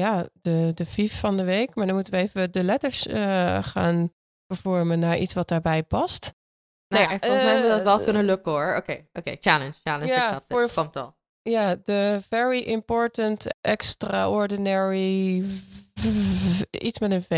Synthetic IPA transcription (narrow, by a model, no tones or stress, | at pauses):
jadədəfifːɑndəʋejkmaːɹdɔnmutənʋəeːvəədəlɛtəɹsəχa̰ːn | b̥əv̥ɔɹmənːaɹʔḭtsʋɑt̚d̥aːɹbɛjpɑst | najanfɔlˠmɛʋədɔtʋɛlˠkɵnəløkəɔɹokejʔokeːt͡ʃalənst͡ʃaləjafɹkɔmtɔ̰lˠ | jadəvɛɹiʔɪmpɔɹtəntʔɛkstraʔɔɹdinɛɹi | itsmɛtənve